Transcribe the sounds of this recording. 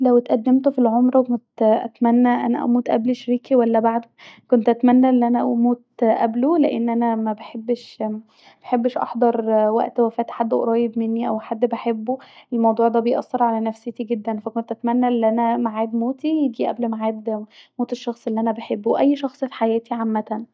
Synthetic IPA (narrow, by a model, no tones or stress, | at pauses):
læwet̪ʔæd̪ːemt̪ofilʕomɾˤɑwekont̪ʔæ̰t̪mænːæʔæ̰næ̰ʔæ̰muːt̪ʔæ̰bliʃɾiːkiwælːæbaʕd̪kont̪ʔæt̪mænːæʔelːʔænæmuːt̪ʔæbloleʔḛnːʔænæmæbeħebːʃ | b̥eħebːeʃʔɑ̰ħd̪ˤɑɾˤwæ̰ʔt̪wæfæːt̪ħad̪ːʔo̰ɾˤɑːjebmenːiʔæwħad̪ːbeħebːuʔelmɑwd̪ˤuːʕd̪æːbejʔɑ̰sːeɾˤʕalænæfset̪iɡed̪ːænfækont̪ʔæt̪mænːæʔelːʔænæmaʕaːd̪moːt̪ijeɡiʔæ̰blmaʕaːd̪moːt̪eʃːɑxsˤʔelːiʔænæbeħebːowʔæjːʃɑxsˤfi̥ħajæːt̪ʰiʕamːæt̪æn